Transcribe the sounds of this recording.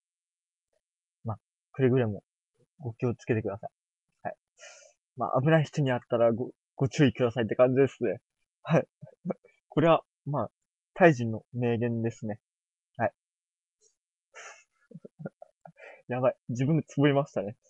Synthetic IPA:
maː | kɯ̟ɾeɡɯ̟ɾamo̞ | ɡo̞kʲiot͡sɨ̥ke̞t̪e̞kɯd̪asai | hai | ma̰ːʔa̰bɯ̟naiçi̥t̪o̞ɲ̟iat̪ːaɾaɡo | ɡ̥o̞t͡ɕɨːikɯ̟d̪asait̪ːe̞kãɲ̟d͡ʑid̪e̞sɨne̞ | hai | kʰo̞ɾe̞βa | maː | t̪aiʑĩnːo̞me̞ːɡẽ̞nd̪e̞sɨne̞ | hai | jaβaid͡ʑibɯ̟̃nd̪e̞t͡sɨbɯɾʲimaɕi̥t̪ane̞

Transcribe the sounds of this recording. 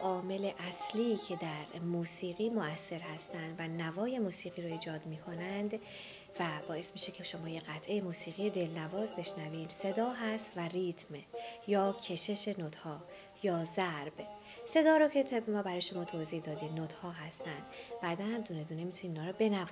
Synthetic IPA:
ʔɒːme̞le̞ʔæsliːcʰe̞d̪æɾmuːsiːɣiːmoæsːe̞ɾhæst̪ænd̪vænævɒːje̞muːsiːɣiːɾoiːd͡ʒɒːd̪miːkʰo̞nænd̪ | væbɒːe̞smiːʃe̞cʰeʃo̞mɒːje̞ɣæt̪ʰʔe̞jemuːsiːɣijed̪e̞lnævɒːzbe̞ʃnævinse̞d̪ɒːɦæst̪værit̪ʰmjɒːcʰe̞ʃe̞ʃe̞not̪hɒː | jɒːzæɾb | se̞d̪ɒːɾocʰe̞t̪ʰebmɒːbæɾɒːjʃo̞mɒːt̪ʰoːziːhd̪ɒːd̪iːd̪not̪hɒːɦæst̪ænd̪̥b̥æːd̪ænhæmd̪une̞d̪uːne̞miːt̪ʰunimiːnɒːɾɔbe̞næv

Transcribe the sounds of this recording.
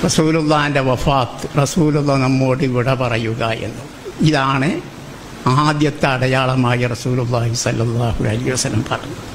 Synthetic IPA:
rɐsuːlulːaːindeʋɐfaːt̪ːɨrɐsuːlulːɐnɐmːo̞ːɽɨʋiɽɐpɐrɐjuɣɐʔe̞̰nːu | iðaːɳɨ | aːd̪jɐt̪ːɐːɽɐjaːɭɐmaːjɐrɐsuːlulːaːhisɐlːɐlːaːhṵɐlɐhiʋɐsɐlːɐmpɐrɐ̰ju

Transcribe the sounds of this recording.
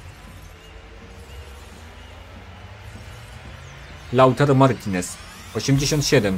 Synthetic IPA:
lawut̪ʰaɾmaɾit̪ʲʰinɛs | ɔɕimd͡ʑeɕɔnt̪ɕɛd̪ɛm

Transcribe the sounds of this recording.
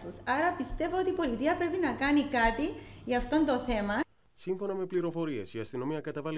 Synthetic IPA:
t̪usɐɾɐpist̪e̞voot̪iːpo̞lit̪iɐpɾe̞pinɐkɐnikɐt̪iʝɐɐft̪o̞nd̪o̞θe̞mɐ | siɱfo̞nɐme̞pliɾo̞fo̞ɾie̞siɐst̪ino̞miɐkɐt̪ɐvɐl

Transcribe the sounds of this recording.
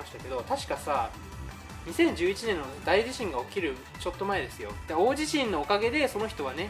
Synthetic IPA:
aɕi̥t̪ake̞d̪o̞t̪aɕi̥kasa | ɲ̟isẽ̞ɲ̟d͡ʑɨːit͡ɕinẽ̞nːo̞d̪aiʑiɕĩŋɡaokʲiɾɯ̟ | t͡ɕo̞t̪ːo̞mae̞d̪e̞sɨjo̞̰d̪̥ao̞ːʑiɕĩnːo̞ːkaɡe̞d̪e̞so̞no̞çi̥t̪o̞βane̞

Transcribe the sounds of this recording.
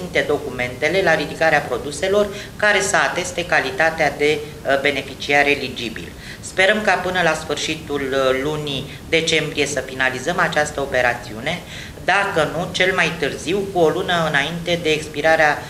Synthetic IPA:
int̪e̞d̪o̞kume̞nt̪e̞le̞laɾid̪ikaɾeapɾo̞d̪use̞lo̞rkaɾe̞səat̪e̞st̪e̞kalit̪at̪ead̪e̞ | be̞ne̞fit͡ʃiaɾelid͡ʒibḭl | spe̞ɾəmkapɨnəlasfɨrʃit̪ulːuni | d̪e̞t͡ʃe̞mbɾije̞səfinalizəmat͡ʃast̪əo̞pe̞ɾat̪siune̞ | d̪akənut͡ʃe̞lmajt̪ɨrziwkuo̞lunəɨnaint̪e̞d̪e̞ːkspiɾaɾea

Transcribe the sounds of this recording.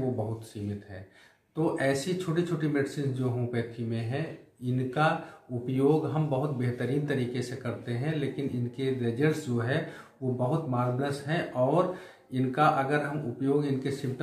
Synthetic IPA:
ʋobəɦʊt̪siːmɪt̪ɦɛː | t̪oːʔɛːsit͡ʃʰoːʈit͡ʃʰoːʈimeːɖsĩnsd͡ʒoːɦõpeːt̪ʰimẽɦɛ̃ɪnkaʊpjoːɡɦɐmbəɦʊt̪̚beɦt̪əɾiːnt̪ɐɾiːkesekɐɾt̪eɦɛ̃leːkɪnɪnkeɾed͡ʒəɾsd͡ʒoɦɛ | ʋobəɦʊt̪maːlnəsɦɛ̃ʔɔːɾ | ɪnkaʔɐɡəɾɦɐmʊpjoːɡɪnkesɪ̃mpʈ

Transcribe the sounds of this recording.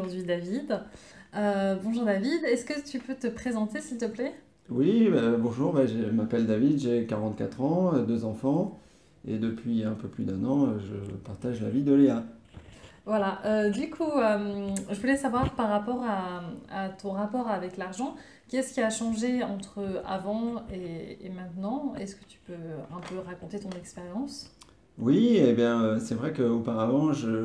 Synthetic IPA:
uʁd̪ɥid̪avid̪ | øbɔ̃ʒuʁd̪avid̪ɛskət̪ypøt̪əpχezɑ̃t̪esilt̪əplɛ | wibabɔ̃ʒuʁbaʒemapɛld̪avid̪ʒekaʁɑ̃t̪ka̰t̪χɑ̃ød̪øzɑ̃fɑ̃ | ḛd̪əpɥiɛ̃pøplyd̪ɛ̃nɑ̃øʒə̰paʁt̪aʒla̰vid̪əlea | vwalaʔød̪ykʰuømʒəvulɛsavwaʁpaʁːapɔʁaat̪ɔ̃ʁapɔʁavɛklaʁʒɑ̃ | kʲɛskʲiaʃɑ̃ʒeɑ̃t̪χəa̰vɑ̃ḛːmɛ̃t̪nɑ̃ɛ̰skə̥t̪y̥pøɛ̃pøʁakɔ̃t̪et̪ɔ̃nɛkspeʁjɑ̃s | wiebjɛ̃øsɛvʁɛkəopaʁavɑ̃ʒə

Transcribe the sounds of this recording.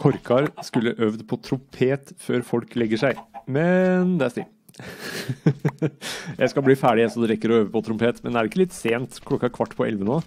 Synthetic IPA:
kʰɔɾkʰɑɾskʉlːəʔœʋd̪pʰɔt̪ʰɾʊmpʰeːt̪føːɾfɔlklɛɡːəʂæɪmɛnd̪ɛæst̪ɪ̰ | jæ̰ɪskɑlbliːfæːɖɪɛsɔd̪ɛɾɛkːəɾɔøʋəpʰɔt̪ʰɾʊmpeːt̪mɛ̰nd̪ɛæɾɪkːəlɪt̪ːseːnt̪kʰlɔkːɑkʰʋɑʈːpʰɔʔɛ̰lʋənoː

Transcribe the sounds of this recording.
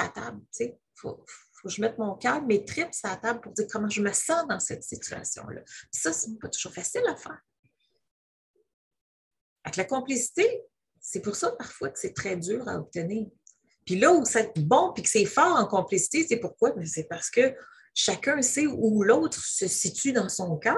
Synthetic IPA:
a̰t̪ablt͡se | fo̰ffoʒəmɛt̪mɔ̃kʲœːmet̪χɪpsat̪ablpʊʁd̪iːʁkɔmɑ̃ʒəməsɑ̃d̪ɑ̃sɛt̪sit͡sya̰sjɔ̰̃lʌ̰pi̥sʌsɛpʌt̪u̥ʒ̥uːʁfasɪlafæːʁ | faklakɔ̃plisi̥t̪e | sɛpʊʁsʌpaʁfwakə̥sɛt̪χɛdzyːʁa̰ɔp̚t̪əniːʁ | pilʌusaɛt̪bɔ̃pikə̥sɛfɑːʁɑ̃kɔ̃plisi̥t̪esɛpʊʁkwamɛsɛpaʁsə̥kə | ʃakʲœ̃sɛulɔʊt̪χsəsitt͡syd̪ɑ̃sɔ̃kʲɑ

